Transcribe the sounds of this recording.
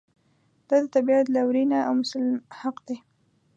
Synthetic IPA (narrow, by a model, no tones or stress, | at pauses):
d̪̥ad̪ət̪abiat̪lawɾinaawmʊsalhaqd̪e